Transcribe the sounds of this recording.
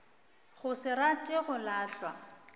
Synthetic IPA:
ɣʊsɪratʼɪɣʊlaːɬwa

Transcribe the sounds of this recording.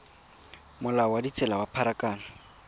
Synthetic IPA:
mʊlaɔwadit͡sʼɛlabapʰaɾakʼaːna

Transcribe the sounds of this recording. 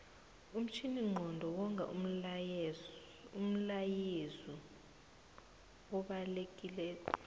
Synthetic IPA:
um̩t͡ʃʰiniŋ͡ǃʱɔndʱɔwɔŋʱa̰ʔum̩ | um̩lajizi | ɔɓalek̬ʼilɛ

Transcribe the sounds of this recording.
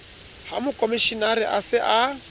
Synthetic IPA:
hamʊkʼomiʃinaɾɪʔasɪʔa

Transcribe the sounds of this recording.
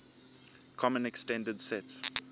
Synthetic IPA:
kʰɔmə̃nɛkstɛ̃ndədsɛts

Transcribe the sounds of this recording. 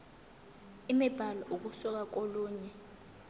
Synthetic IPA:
imɛb̥ʱalɔʔuk̬usɔk̬ak̬oluːɲɛ

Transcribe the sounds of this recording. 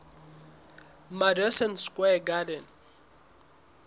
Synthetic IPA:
madɛsɛnskʼwɛɡadɛn

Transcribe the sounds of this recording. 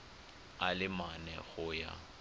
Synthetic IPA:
alɪmanɛɣʊja̰

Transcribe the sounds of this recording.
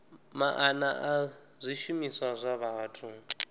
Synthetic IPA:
maʔanaʔa | zʷiʃumisazʷaβaːtʰu

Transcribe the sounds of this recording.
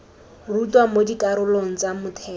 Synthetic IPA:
rutwamodikaɾʊloŋ̩t͡samʊtʰɛː

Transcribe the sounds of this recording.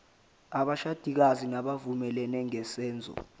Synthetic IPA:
aɓaʃad̥ʱik̬azinaɓavumɛlɛnɛŋɛsɛːnd͡zʱɔ̰

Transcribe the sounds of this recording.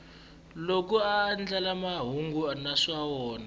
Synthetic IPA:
lok̬uaːnd͡ɮalamaɦuŋɡuanaʂwawɔːna

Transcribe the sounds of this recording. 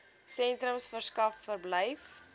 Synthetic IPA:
sɛntɾəmsfərskɐfːərbləjf

